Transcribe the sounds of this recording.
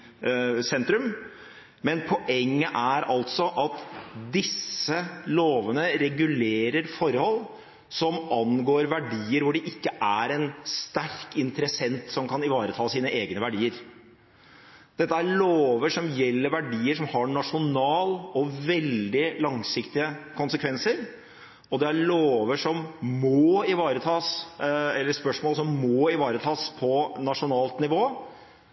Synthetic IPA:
sɛnt̪ɾʉm | mɛnpʰɔʔɛŋːəʔæɾɑlt̪sɔʔɑt̪d̪ɪsːəloːʋənəɾɛɡʉleːɾəɾfɔɾhɔlː | sɔmɑnɡoːɾʋæɖiːəɾʋʊɖɛʔɪkːəʔæɾɛnst̪æɾkɪnt̪əɾəsɛnt̪sɔmkʰɑnɪʋɑːɾət̪ʰɑːsiːnəʔeːɡnəʋæɖiːəɾ | d̪̥ɛt̪ːəæɾɭoːʋəʂɔmjɛlːəɾʋæɖiːəʂɔmhɑɳɑʂʊnɑːlɔʋɛld̪ɪlɑŋsɪkt̪ɪəkʰʊnsəkʰʋɛnsəɾ | ɔd̪ɛæɾɭoːʋəʂɔmmɔːɪʋɑːɾət̪ʰɑːsɛlːəspœʂmoːləsɔmːɔːɪʋɑːɾət̪ʰɑːspʰɔnɑʂʊnɑːlt̪nɪʋoː

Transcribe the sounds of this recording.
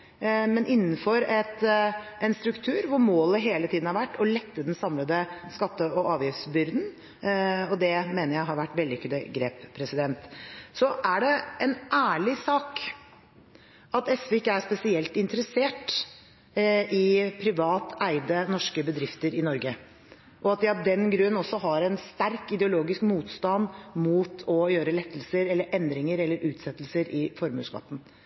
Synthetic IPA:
mɛnʔɪn̩ːfɔɾɛt̪ɛnst̪ɾʉkt̪ʰʉːɾʋʊɾmoːləɦeːlət̪ʰiːd̪n̩hɑɾʋæʈːɔlɛt̪ːəd̪ɛnsɑmləd̪əskɑt̪ːəɔʔɑːʋjɪfsbʏɾd̪n̩ | ɔd̪ɛmeːnəɾjæɪɦɑɾʋæʈːʋɛld̪ɪkʰʉd̪əɡɾeːppʰːɾɛsɪd̪ɛnt̪sɔʔæɖɛɛnʔæːɭɪsɑːk | ɑt̪ɛsʋɛɪkːəæɾʂpɛsɪɛlt̪ɪnt̪əɾəseːʈ | ʔɪpʰɾɪʋɑːt̪æɪd̪ənɔʂkəbəd̪ɾɪft̪əɾɪnɔɾɡə | ʔɔɑt̪̚d̪ɪɑd̪ɛnɡɾʉənɔsːɔɦɑɾɛnst̪æɾkɪd̪ɛʊloːɡɪskmuːt̪st̪ɑnmuːt̪ʰɔjøːɾəlɛt̪ːəlsəɾɛlːəɾʔɛnd̪ɾɪŋəɾɛlːəɾʔʉːt̪sɛt̪ːəlsəɾɪfɔɾmʉ̰ːskɑ̰t̪ːn̩

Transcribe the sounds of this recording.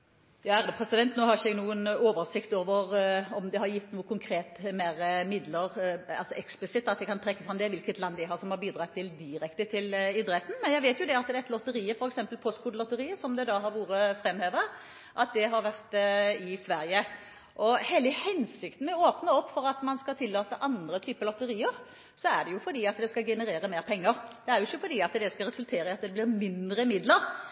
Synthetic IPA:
jɑːæʁɾəpʰʁɛsɪd̪ɛnt̪noːhɑɾɪçəɛɡnuːənoːʋəɾsɪkt̪oːʋəɾɔmd̪ɛhɑɾjɪt̪ːnuːəkʊŋkʰɾeːt̪meːɾəmɪd̪ləʁɑ̰lsɔʔɛksplɪsɪt̪ːɑt̪jɛɪkʰɑnpʰɾɛkːəfɾɑmd̪ɛʋɪlkət̪lɑnd̪æɪɦɑːɾsɔmhɑɾbiːd̪ɾɑt̪ʰːɪld̪ɪɾɛkt̪ət̪ʰɪlɪd̪ɾɛt̪ːn̩mɛnjæɪʋeɪt̪jʊd̪ɛɑt̪̚d̪ɛɛt̪lɔt̪əɾiːəfɔɾɛksɛmpəlpʰɔst̪kʰʊːd̪əlɔt̪ːəɾiːəsɔmd̪ɛd̪ɑɦɑɾʋuːɾəfɾɛmheːʋəɾə | ʔɑt̪̚d̪ɛɦɑɾʋæʁt̪ɪsʋæɾjə | ʔɔheːləhɛnsɪkt̪n̩ɛoːpnəɔpːfɔɾɑt̪mɑnskɑt̪ʰɪlːɑːt̪əʔɑnd̪ɾət̪ʰyːpəlɔt̪ːəɾiːəɾ | sɔæɖɛjʊfɔɖ̪iːɑt̪d̪ɛskɑɡɛnəɾeːɾəmeːɾpʰɛŋːəɾd̪̥ɛæɾjʊɪçːəfɔɾd̪iːɑt̪d̪ɛskɑɾɛsʉlt̪ʰeːɾəɑt̪d̪ɛblɪɾmɪnd̪ɾəmɪd̪ləɾ

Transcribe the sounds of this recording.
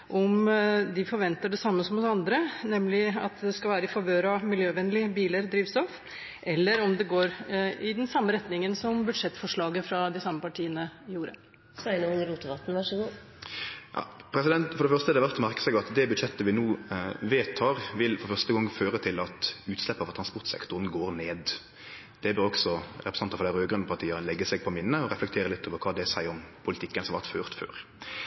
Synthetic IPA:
ʔɔmd̪ɪfɔɾʋɛnt̪əɖɛsɑmːəsɔmhʊsɑnd̪ɾənɛmlɪɑ̰t̪d̪ɛskɑlʋæːɾəɪfɑʋøːɾɑmɪljøːʋɛnlɪbiːləɾd̪ɾiːʋst̪ɔf | ʔɛlːəɾɔmd̪ɛɡoːɾɪd̪ɛnsɑmːəɾɛt̪nɪŋənsɔmbʉd̪ʂɛt̪ːfɔʂɭɑːɡəfɾɑd̪ɪsɑmːəpɑʈʰiːənəjuːɾə̰ | sænɔnɾuːt̪əʋɑt̪n̩ʋɑʂəɡuː | jɑ̰ːpʰɾɛsɪd̪ɛnt̪fɔʁɖɛfœʁst̪əd̪ɛɑʋæɾt̪ɔmæʁkə̥sɛɡɑt̪d̪ɛbʉd̪ʃɛt̪ːəʋɪnuːʋeːt̪ʰːɑːɾʋɪlfɔɾfœʁst̪əɡɑŋːføːɾət̪ʰɪlɑt̪ʉːt̪slɛpːəɑʋɔʁt̪ʰɾɑnspɔɾt̪sɛ̰kt̪ʊɾənɡoːɾneːd̪ | d̪̥ɛbøʁɔɡsɔɾɛpɾɛsɑnt̪ɑfɔd̪æɾøːɡɾʉnːəpʰɑt̪ʰiːəʁənlɛɡːəsɛɡ̚pʰɔmɪnnəɔʁɛflɛk̚t̪ʰeːɾəlɪt̪ːoːʋəkʰɑːd̪ɛæsæɪɔmpʰʊlɪt̪ʰɪkːənsɔmɑʋæt̪føːʁt̪fø̰ːɾ

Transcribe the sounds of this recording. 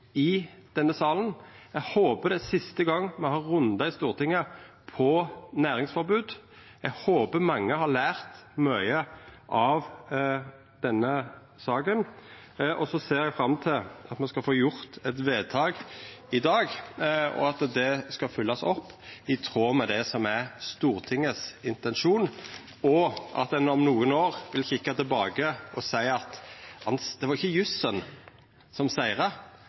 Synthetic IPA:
ɪd̪̥ɛnːəsɑːlən | ɛɡhoːpəd̪ɛsɪst̪əɡɑŋːmɛhɑɾːʉnd̪ɑɪst̪uːɾt̪ʰɪŋə | pʰɔnæːɾɪŋsfɔɾbʉːd̪ | ɛɡhoːpəmɑŋːəhɑɾlæːɾt̪mœʏəʔɑʋ | d̪̥ɛnːə | sɑːkən | ʔɔsɔseːɾɛɡfɾɑmt̪ʰɪlɑt̪mɑnskɑlfoːjʊɾt̪ɛt̪ʋeːd̪̚t̪ʰɑːɡɪd̪ɑːɡɔ̰ɑt̪d̪ɛskɑlfʏlːɑsɔpːɪt̪ʰɾoːmɛd̪ɛsɔmæst̪uːʁt̪ʰɪŋːəsɪnt̪ɛnʃuːn | ɔʔɑ̰t̪d̪ɛnɔmnuːənoːʁʋɪlçɪkːɑt̪ɪlbɑːɡəʔɔsæɪɑt̪hɑnsd̪ɛʋɑʁɪçːəjʉsən | sɔmsæɪʁə

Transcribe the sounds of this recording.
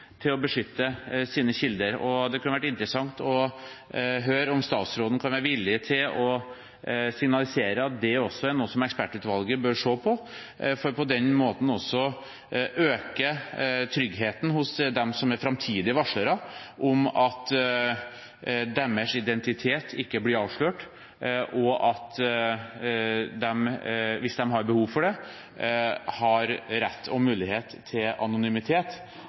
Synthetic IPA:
t̪ʰɪlɔbəʂʏt̪ːəsiːnəɕɪld̪əɾɔd̪ɛkʰʉnəʋæʈɪnt̪ɾəsɑŋt̪ɔ | ɦøːɾɔmst̪ɑ̰ːt̪sɾoːd̪n̩kʰɑnʋæɾəʋɪlːɪət̪ʰɪlɔ | sɪŋnɑlɪseːɾəɑt̪̚d̪ɛɔsːɔæɾnuːsɔmɛkspæʈʉːt̪ʋɑlɡəbœɾʂoːpʰɔ | fɔɾpʰɔd̪ɛnmoːt̪n̩ɔsːɔ | ʔøːkət̪ʰɾʏɡɦeːt̪n̩hʊsd̪ɛmsɔmæɾfɾɑmt̪ʰiːd̪ɪʋɑʂɭəɾɑʔʊmɑt̪ | d̪ɛmːəʂɪd̪ɛnt̪ɪt̪ʰeːt̪ʰɪkːəblɪɾɑːʋʂɭøːʈ | ʔɔʔɑt̪ | d̪ɛmʋɪsd̪ɛmɦɑɾbəhuːʋfɔɖɛ | hɑɾɾɛt̪ʰːɔmʉːlɪheːt̪ʰːɪlɑ̰nʊnʏmɪt̪ʰeːt̪

